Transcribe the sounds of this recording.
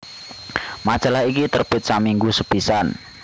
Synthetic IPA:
mḁʒ̥alaɦikit̪ərb̥ɪt̪̚samiŋɡusəb̥isan

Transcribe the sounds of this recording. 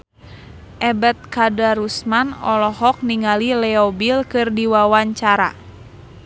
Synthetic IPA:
ʔɛbɛt̪̚kadaɾusmanɔlɔɦɔk̚niŋalilɛɔbilkɨrdiwawaɲt͡ʃaɾa̰

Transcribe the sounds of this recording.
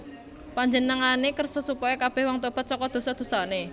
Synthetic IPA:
paɲd͡ʒənəŋanekərsɔsupɔjɔkab̥ɛhwaŋt̪ob̥at̪̚t͡ʃɔkɔd̪̥o̤sɔd̪̥o̤sɔne

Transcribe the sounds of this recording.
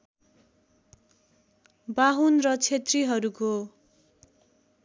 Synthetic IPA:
baɦunrʌt͡sʰet̪riɦʌɾuko

